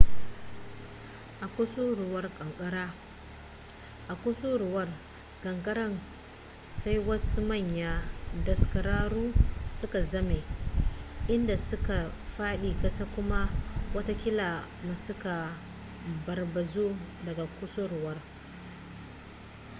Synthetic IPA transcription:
ʔa˨kʷʊ˦su˦ɾʊ˨wɐ˦rkʼɐ˨ŋkʼɐ˦ɽaː˦ | ʔa˨kʷʊ˦su˦ɾʊ˨wɐ˦r | kʼɐ˨ŋkʼɐ˦ɾɐ˦n | sa˦jwɐ˦su˦mɐ˦˨ɲja˨dɐ˨skɐ˨ɾaː˦ɾuː˦sʊ˦ka˨zɐ˦me˨ | ʔɪ˦nda˨sʊ˦ka˨ɸaː˦ɗiː˨kʼɐ˦sa˦kʷʊ˦ma˦wɐ˦ta˦kʲɪ˦la˨ma˨sʊ˦ka˨ | bɐ˨rbɐ˨zu˦dɐ˨ɡa˨kʷʊ˦so˦ɾʊ˨wɐ˦r

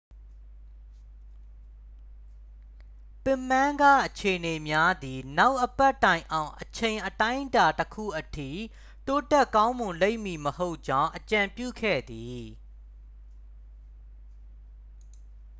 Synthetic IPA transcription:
pɪ̃˦˨mã˦ɡa̰˦˨ʔət͡ɕʰe˨ʔəne˨mja˦d̪i˨na˦ʊʔəpɛ˦˨ʔtːã˨ɪ̃ʔã˨ʊ̃ʔət͡ɕʰẽ˨ɪ̃ʔətã˦ɪʔəta˨təkʰṵ˦˨ʔətʰḭ˦˨ | to˦tɛ˦ʔkã˦ʊ̃mʊ̃˨nle˦ɪ̃˨ʔmːi˨məho˦ʊʔt͡ɕã˦ʊ̃ʔət͡ɕã˨mpjṵ˦˨kʰɛ̰˦˨d̪i˨

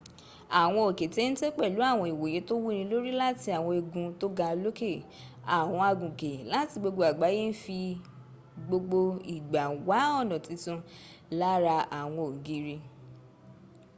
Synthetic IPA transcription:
a˨w̃ɔ̃˧o˨ke˨te˨˦ñ̩˦te˦k͡pɛ˦˨lu˨˦a˦˨w̃ɔ̃˧i˨wo˨je˨˦to˦wu˦˧ñĩ˧lo˦ɾi˦la˦ti˧˦a˨w̃ɔ̃˧e˧ɡũ˧to˦ɡa˧lo˦ke˦˨ | a˨w̃ɔ̃˧a˧ɡũ˨ke˨la˦ti˧ɡ͡bo˧ɡ͡bo˧a˨ɡ͡ba˨˦je˦n̩˦fi˧ | ɡ͡bo˧ɡ͡bo˧i˨ɡ͡ba˨wa˨˦ɔ˦˨nɔ̃˨tĩ˧˦tũ˧ | la˦ɾa˧a˨w̃ɔ̃˧o˨ɡi˨˦ɾi˧

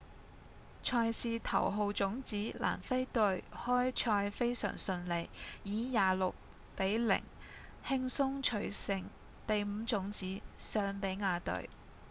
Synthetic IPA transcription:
t͡ʃʰɔː˧jsiː˨˧t̪ʰɐ̰˨˩wɦo˨wt͡sʊ˨˥ŋt͡siː˨˥lʔa̰ː˨˩nfe˥jt̪ɵ˧ɥhɔː˥jt͡ʃʰɔː˧jfe˥jsœ̰ː˨˩ŋsɵ˧nle˨jjiː˨˥jaː˨˩lʊ˨k̚ | pe˨˥jlɪ̰˨˩ŋ | hɪ˥ŋsʊ˥ŋt͡ʃʰɵ˨˥ɥsɪ˨ŋ | t̪e˨jm̩˨˧t͡sʊ˨˥ŋt͡siː˨˥sœː˨˧ŋpe˨˥jŋaː˨˧t̪ɵ̰˧ɥ

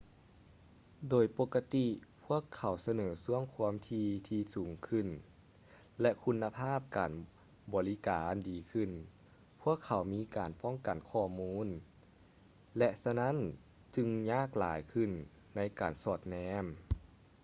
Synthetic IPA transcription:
doː˨˩jpo˧˩kːa˧t̪i˧pʰu˦˥˩əkʰːa˨˩wsa˧nɤː˩˦su˧˩əŋkʰu˧əmt̪ʰiː˧t̪ʰiː˧suː˨˩˦ŋkʰɯ˧˩n | lɛ˧ʔkʰu˧nːa˧pʰaː˥˩p̚ka̰ː˨˩n | bɔː˨˩li˦˥kaː˨ndiː˨˩kʰɯ˧˨n | pʰu˥˩əkʰːa˨˩wmiː˧˥kaː˨˩npɔ˥˩ŋka˨˩nkʰɔː˧˩muː˧˥˨n | lɛ˧ʔsa˧na˦˥˨n | t͡ɕɯ˧ŋɲaː˥˩k̚la̰ː˨˦jkʰɯ˧˩nː | a˧˥jkaː˨˩nsɔː˧˩t̪̚nɛː˧˥m

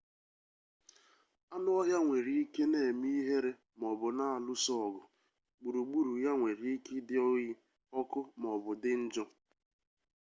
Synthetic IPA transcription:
a˦nʊ˦ɔ˦ɦja˦ŋʷe˨ɾi˦i˦ke˦ne˦˨e˨mi˦i˦ɦe˦ɾe˦ | m˨ɔ˨bʊ˨na˦˨a˨lʊ˦sɔ˦ɔ˨ɡʊ˨ | ɡ͡bu˨ɾu˨ɡ͡bu˦˨ɾu˨ja˦ŋʷe˨ɾi˦i˦ki˦dɪ˦ɔ˦ɣi˦ | ɔ˦kʊ˦m˨ɔ˨bʊ˨dɪ˦n̩˦d͡ʒɔ˦

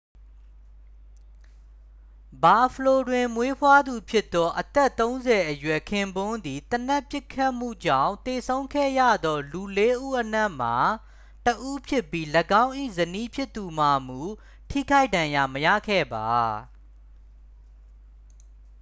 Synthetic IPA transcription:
ba˨pʰəlo˨dwɪ̃˨mwe˦pʰwa˦d̪u˨pʰjɪ˦t̪ːɔ˦ʔət̪ɛ˦˨t̪ːõ˦ʊ̃nzɛ˨ʔəjwɛ˨kʰɪ̃˦˨mbʊ̃˦nd̪i˨t̪əna˦˨pjɪ˦kʰːa˦ʔm̥ṵ˦˨d͡ʑã̰˦˨ʊ̃t̪e˨sʰõ˦ʊ̃ŋkʰɛ̰˦˨jä̰˦˨d̪ɔ˦lu˨le˦ʔu˦˨ʔəna˦˨ʔm̥a˨ | təʔu˦pʰjɪ˦pːji˦ləɡã˦ʊ̃ʔḭ˦˨zəni˦pʰjɪ˦t̪ːu˨ma˨m̥u˨ | tʰḭ˦˨kʰa˦ɪʔdã˨ja˨məja̰˦˨kʰɛ̰˦˨ba˨

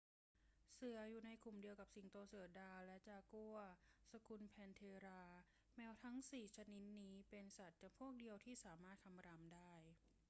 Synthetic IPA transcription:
sɯ˨˩˦ɐjuː˨˩na˧jkʰu˨˩mdi˧əwka˨˩p̚si˨˩ŋt̪o˧sɯ˨˩˦ɐdaː˧lɛ˦˥t͡ɕaː˧˩ku˥˩ɐsa˧kʰu˧npʰɛː˧nt̪ʰeː˧ɾaː˧ | mɛː˦˥wt̪ʰa˦˥ŋsiː˨˩t͡ɕʰa˧ni˦˥t̪̚niː˦˥pe˧nsa˨˩t̪̚t͡ɕaː˨˩pʰu˥˩ək̚di˧əwt̪ʰiː˥˩saː˩˦maː˥˩t̪̚kʰa˧mɾaː˧mdaː˥˩j

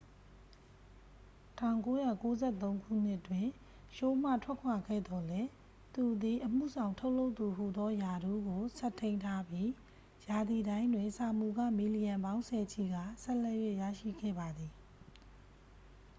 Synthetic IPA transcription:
tʰã˦˨ʊ̃ŋko˦ja˦˨ko˦zɛ˦˨t̪̬õ˦ʊ̃ŋɡʰṵ˦˨n̥ɪ˦ʔtwɪ̃˨ | ʃo˦m̥a̰˦˨tʰwɛ˦˨kʰwa˨ɡɛ̰˦˨d̪ɔ˨lɛ˦ | t̪u˨d̪i˨ʔəm̥ṵ˦˨zã˨ʊ̃ntʰo˦ʊʔlo˦ʊt̪ːu˨ɦu˨d̪ɔ˦ja˨du˦ɡo˨sɛ˦˨t̪ʰẽ˦ɪ̃ntʰa˦bji˦ | ja˨d̪i˨dã˦ɪ̃ndwɪ̃˨sa˨mu˨ɡä̰˦˨mi˨li˨jã˨mbã˦ʊ̃nsʰɛ˨t͡ɕʰi˨ɡa̰˦˨sɛ˦lɛ˦˨jwe˦˨ʔjä̰˦˨ʃḭ˦˨ɡɛ̰˦˨ba˨d̪ði˨

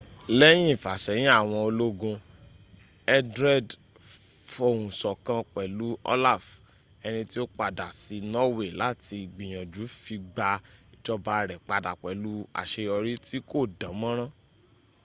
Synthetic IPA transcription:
lɛ˦j̃ĩ˦˨fa˨ʃɛ˨˦j̃ĩ˦a˦˨w̃ɔ̃˧o˧lo˦ɡũ˧ | ɛ˧dɾɛ˦˨d | fo˦˧˨ũ˨sɔ˨kã˧k͡pɛ˨lu˨˦ɔ̰˦la˦˨f | ɛ˧nĩ˧ti˦o˦k͡pa˧˨da˨si˧nɔ˦we˦˨la˨˦ti˧˨ɡ͡bĩ˨j̃ã˨d͡ʒu˨˦fi˧ɡ͡ba˧i˨t͡ʃɔ˧ba˧ɾɛ˨k͡pa˨da˨k͡pɛ˨lu˦a̰˨ʃe˧ɔ˧ɾi˦ti˦ko˦˨dã˨˦mã˦ɾ̃ã˦

